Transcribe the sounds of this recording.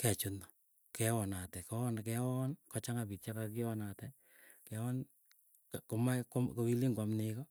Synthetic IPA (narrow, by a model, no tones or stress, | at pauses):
kɛt͡ʃʊnɔ | kɛwɔnatɛkɔnkɛwɔnkɔt͡ʃaŋabit͡ʃakakɪwɔnatɛ | kɛwɔn | kkomakomkowiliŋɡwamnɪkɔ